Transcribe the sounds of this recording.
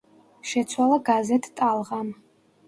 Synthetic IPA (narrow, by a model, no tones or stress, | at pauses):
ʃɛt̪sʰwalˠaɡazɛt̪ʰt̪ʼalˠʁam